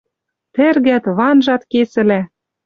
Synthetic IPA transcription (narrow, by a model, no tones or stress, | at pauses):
t̪ɘ̆rɣæt̪βɑnʒɑt̪kesɘ̆læ